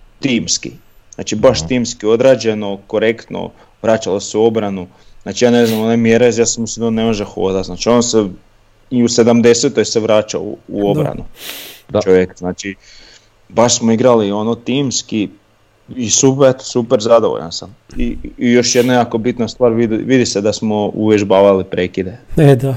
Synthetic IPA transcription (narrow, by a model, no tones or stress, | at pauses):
t̪iːmskḭ | zna̰ːt͡ʃibaʃt̪iːmskio̞d̪ɾaːd͡ʑe̞no̞ko̞ɾe̞kt̪no̰ | ʋɾaːt͡ʃaloseuo̞bɾanu | znaːt͡ʃijaːne̞znamo̞nemjeɾezjasamusid̪onemo̞ʒexo̰ːd̪aznaːt͡ʃio̞nse | iuse̞d̪amd̪e̞set̪ojseʋɾaːt͡ʃa̰uo̞bɾa̰nu | t͡ʃoʋjekznaːt͡ʃi | baʃsmoiɡɾalio̞not̪iːmski | isupeɾsupeɾzad̪oʋo̰ʎa̰nsamiijo̞ʃjed̪najakobit̪nast̪ʋaːɾʋid̪ʋid̪ised̪asmouʋjeʒbaːʋalipɾeːkid̪ed̪a